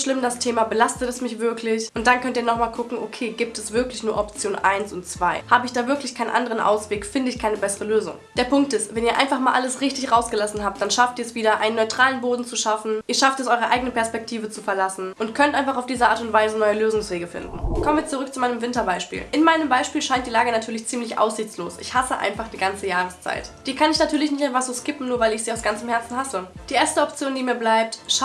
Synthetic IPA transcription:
ʃlɪmdastʰeːmabəlastətɛsmɪçv̥ɪɐkʰlɪçʔʊntd̥ankʰœntiːɐnɔχmaːlkʰʊkŋ̩ʔokʰeːɡiːp̚tɛsv̥ɪɐklɪçnuːɐʔɔp̚t͡sjoːnʔa̰ɪnsʊntt͡sv̥aɪhaːbəɪçd̥aːvɪɐklɪçkʰaɪnənʔa̰ndəʁənʔa̰ʊsv̥eːkfɪndəɪçkʰaɪnəbɛsəʁəløːzʊ̰ŋd̥eːɐpʊŋk̚tɪstvɛniːɐʔa̰ɪnfaχmaːlʔaləsʁɪçtɪçʁaʊsɡ̥əlasn̩hɦaːp̚td̥anʃaftiːɐɛsv̥iːdɐʔa̰ɪnənɔʏtʁ̥aːlənboːdn̩t͡suʃafn̩ʔiːɐʃaftɛsʔɔʏʁəʔaɪɡənəpʰɛɐspɛk̚tʰiːvət͡sufɛɐlasn̩ʔʊntkʰœntaɪnfaχaʊfd̥iːzɐʔaːɐtʊntv̥aɪzənɔʏəløːzʊŋsv̥eːɡəfɪ̰ndn̩kʰɔmənviːɐt͡suʁʏk̚t͡sumaɪnəmvɪntɐbaɪʃpḭːlʔɪnmaɪnəmbaɪʃpiːlʃaɪntd̥iːlaːɡənatʰyːɐlɪçt͡siːmlɪçʔa̰ʊsz̥ɪçt͡sloːsʔɪ̰çhasəʔa̰ɪnfaχd̥iːɡant͡səjaːʁ̞əst͡sa̰ɪtd̥iːɐkʰanɪçnatʰyːɐlɪçnɪçtaɪnfvaχz̥oːskɪpn̩nuːɐvaɪlɪçz̥iːaʊsɡ̥ant͡səmhɛɐt͡sn̩ɦasəd̥iːʔeːɐstəɔp̚t͡sjoːndiːmiːɐblaɪp̚tʃ

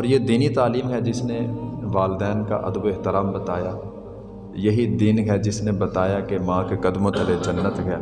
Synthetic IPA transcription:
ɔːɾjed̪iːnit̪aːliːmɦɛd͡ʒɪsneʋaːld̪ɛːnka̰ʔɐ̰d̪boeɦt̪ɪɾaːmbɐt̪aːjaː | jɐɦid̪iːnɦɛd͡ʒɪsnebɐt̪aːjakemãːkekɐd̪mõt̪ɐled͡ʒɐnːət̪ɦɛː

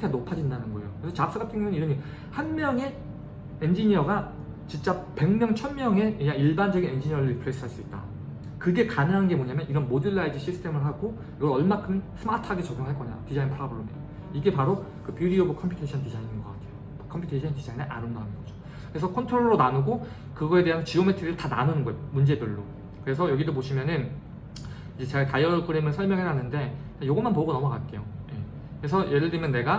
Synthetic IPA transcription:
tʰenopʰad͡ʑindanɯnɡʌejokɯɾesʰʌt͡ɕap̚s͈ɯɡatʰɯŋjoŋɯniɾʌɲi | hanmjʌŋe̞ | end͡ʑiɲiʌɡa | t͡ɕint͡ɕ͈ape̞ŋmjʌŋt͡ɕʰʌnmjʌŋe̞weɲaiɭband͡ʑʌɡine̞nd͡ʑiɲiʌɾɯpʰɯɾes͈ɯɦaɭs͈uit̚t͈a̰ | kɯɡe̞kanɯŋɦanɯnɡe̞moɲamjʌniɾʌnmodɯɭːaid͡ʑiɕʰisʰɯ̥tʰe̞mɯɭɦaɡo | kiɡʌɾʌɭmakʰɯnsʰɯmatʰaɡet͡ɕʌɡjoŋɦaɭk͈ʌɲa̰jo̰tid͡ʑainpʰɯɾabɯɾonḛo | iɡe̞paɾo | kɯpjuɾiobukʰʌmpʰu̥tʰeɕʰʌntid͡ʑaininɡʌk͈atʰe̞jo | kʰʌmpʰjutʰeɕʰʌntid͡ʑainɯnʔa̰ɾɯmdʌnɯnɡʌd͡ʑo | kɯɾe̞sʰʌkʰʌntʰɯɾoɭːonanuɡo | kɯɡʌe̞de̞ɦant͡ɕiometʰɯɾiɯɭtananɯnɯnɡʌmund͡ʑe̞dɯɭːo | kɯɾe̞sʰʌjʌɡidop̬oɕʰimjʌnɯn | id͡ʑe̞t͡ɕeɡakajʌɾkʰɯɾemɯɭsʰʌɭmjʌŋɦeɦanɯnde̞ | kajoɡʌnmanpʌɡonʌmʌkat̚k͈e̞joje̞ | kkɯɾe̞sʰʌjʔe̞dɯɾimjʌnːe̞ɡa

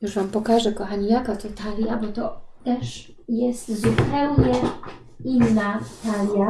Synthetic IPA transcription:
juʐvampɔkaʐɛkɔxaɲijakat̪ɔt̪aljabɔt̪ɔt̪ɛʂ | jɛst̪zupɛwɲɛ | inːat̪alʲja

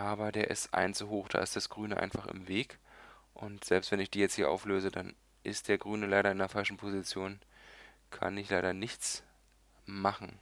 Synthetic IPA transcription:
ʔaːbɐdeːɐʔɪ̰stʔa̰ɪnt͡suɦoːxd̥a̰ːɪst̚d̥asɡ̥ʁyːnəʔa̰ɪnfaχɪ̰mveːkʔʊntz̥ɛlpstv̥ɛnɪçd̥iːjɛt͡sthiːɐʔa̰ʊfløːzədan | ʔɪst̚d̥eːɐɡʁyːnəlaɪɾɐɪndɐfalʃn̩pʰozit͡sjoːn | kʰa̰nɪçlaɪɾɐnɪçt͡s | maχn̩

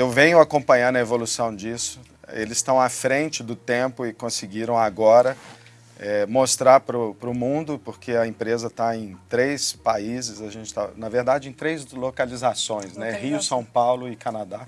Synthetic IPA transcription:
ewvẽɲʊakõpɐ̃ɲɐ̃nd̪ɐevolusɐ̃w̃d͡ʒisʊ̥ | elɪsst̪ɐ̃w̃afɾẽnt͡ʃɪd̪ʊt̪ẽpʊɪkõsɪɡiɾɐ̃w̃aɡɔɾɐ | ɛmost̪ɾaɾpɾʊpɾʊmũd̪ʊpoɾkʰeɐẽmpɾezɐt̪aẽj̃t̪ɾejspaizɪzɐʒẽnt͡ʃɪ̥t̪a̰nɐveɾd̪ad͡ʒɪẽj̃t̪ɾejzlokalizasõj̃snɛɦiʊsɐ̃w̃pawlʊɪkɐnad̪a

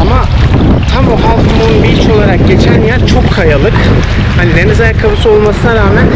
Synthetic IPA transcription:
ama | t̪ʰamuɦalˠmuunbit͡ʃʰo̞lˠaɾak̚ɟe̞t͡ʃʰænjæɾt͡ʃʰo̞kkʰajalˠɯk | hanid̪enɯzajakʰːabusɯo̞lˠmasɯnaɾaːmæn

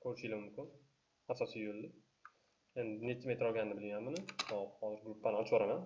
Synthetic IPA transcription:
kʰɵɾɪʃɪlɪmʊmkʲʊn | asɒsijbold̪ɪ | end̪ɪnet͡ʃ̪ʰɪmejt̪ʰɪɾɒlɡʲanːɪbɪlɡʲanmɪnɪɒhɒzɪɾɡɾʊpːanɪɒt͡ʃʰbɒɾaman

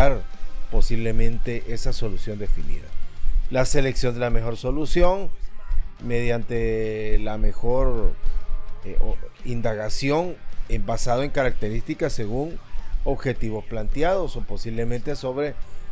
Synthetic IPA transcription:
aɾpo̞siβle̞mẽ̞nt̪e̞ʔe̞saso̞lusjo̞nd̪e̞finḭða̰lase̞leksjo̞nd̪elame̞xo̞ɾso̞lusjo̞ŋ | me̞ð̞jant̪e̞lame̞xo̞ɾ | ind̪aɣasjo̞ŋembasaðoeŋkaɾak̚t̪e̞ɾist̪ikasːe̞ɣuŋo̞βxe̞t̪iβo̞splant̪jaðo̞sopo̞siβle̞mẽ̞nt̪eso̞βɾe̞

